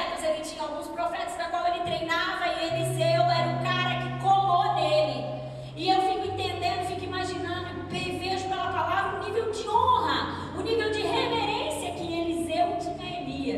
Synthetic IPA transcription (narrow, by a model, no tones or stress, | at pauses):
ɛt̪ɐzelɪt͡ʃĩɲɐawɡũspɾofɛt̪ɐznɐkwawelɪt̪ɾejnavɐielɪzewɛɾɐũkaɾɐkɪkolod̪elɪ | ɪewfikʊẽt̪ẽnd̪ẽnd̪ʊfikʊimaʒinɐ̃nd̪ʊɪpɾeveʒʊpɛlɐpalavɾɐʊ̃nivewd͡ʒɪõɦɐ | ʊnivewd͡ʒɪheveɾẽsiɐkɪelɪzewpeviɐ